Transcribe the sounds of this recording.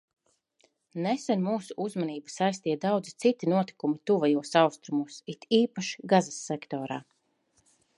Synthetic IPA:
nesɛnmuːsuʔuzmaniːbasajst̪iɛd̪awd̪zit̪sit̪inuɔt̪i̥kumit̪uvajuɔsawst̪ɾumuɔsit̪iːpaʃi̥ɡazasːɛkt̪ɔːɾa̰ː

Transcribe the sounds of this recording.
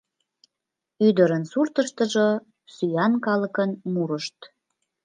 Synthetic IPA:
yd̪əɾənsurt̪əʃt̪əʒo | syjɑnkɑləkənmuɾəʃt̪

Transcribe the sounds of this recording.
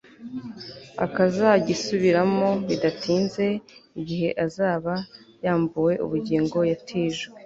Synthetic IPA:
a̰kazaɟisuβiɾamo̞βidatʰiːnze̞iɟiɦe̞ʔazaːβajaːmbuwe̞ʔṵβuɟiːŋɡo̞jatʰiːʒwe

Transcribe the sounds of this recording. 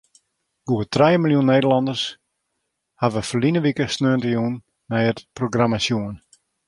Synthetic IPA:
ɡ̥uətrɛjəmilˠjunːejdərlɑndərs | haʋəfərlinəʋikəsnøəntəjunː | ɛjətproɡramasjuən

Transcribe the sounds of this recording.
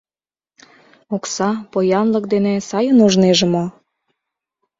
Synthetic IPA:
oksɑpojɑnlək̚d̪enĕsɑjənuʒneʒemo

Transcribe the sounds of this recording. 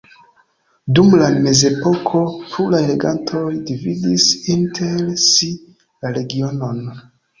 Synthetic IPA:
dumlame̞ze̞po̞kʰo̞pʰulajle̞ɡantʰo̞jdividisintʰelsi | laɾe̞ɡio̞no̞n

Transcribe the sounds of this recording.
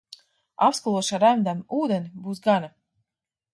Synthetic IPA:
apskulˠuɔʃaɾæmd̪amuːd̪enʲibuːs̬ɡana

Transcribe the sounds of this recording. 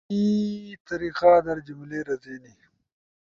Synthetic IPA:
it̪ɐɾiːqaːd̪ɐɾd͡ʒumleːɾɐzeːni

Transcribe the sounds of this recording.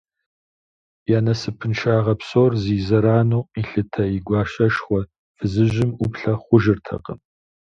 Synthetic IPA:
jaːnɐsɨpʰɨnʈ͡ʂʰaːʁɐpsoːrziːzɐɾaːnoːiɬɨtʰɐjɪɡʷɑːɕɐʃχʷɔ | fɨzɨʑɪmʊpɬɐχʷʊʒɪrtʰɐ̰qə̰m

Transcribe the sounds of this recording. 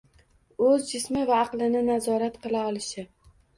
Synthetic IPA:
ɵzd͡ʒɪsmɪvaːqlˠɪnɪnazɒɾat̪qɨlˠaɒlˠɪʃɪ

